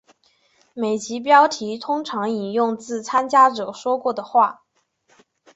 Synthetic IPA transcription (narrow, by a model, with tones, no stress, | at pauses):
me˨˩ɪt͡ɕi˧˥p̬jɑ˥ʊt̪ʰi˧˥t̪ʰʊ˥ŋʈ͡ʂʰɑ˧˥ŋi˨˩njʊ˥˧ŋt͡sɹ̩˥˩t͡sʰa˥nt͡ɕja˥ʈ͡ʂɤ˨˩ʂwɔ˥kwɔ˥˩d̪ə˩xwa˥˩